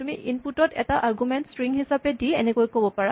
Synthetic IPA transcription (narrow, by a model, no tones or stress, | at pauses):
tumiʔinputɔtʰɛ̰taʔaɹɡumɛntstɹiŋɦisapɛdiɛ̰nɛkojkobɔpaɹa